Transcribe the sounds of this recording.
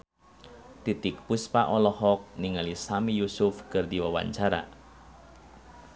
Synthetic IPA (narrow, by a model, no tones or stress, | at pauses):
t̪it̪ɪk̚puspaʔɔlɔhɔk̚niŋalisamijusʊfkərd̪iwawa̰ɲt͡ʃaɾa̰